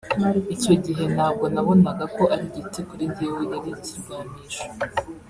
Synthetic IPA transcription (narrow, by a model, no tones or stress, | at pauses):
ico̞ɟiɦe̞naːbɡo̞naβo̞naɡako̞ʔaɾiɟitekuɾindiwejaɾiciɾɡaːmiʃo̥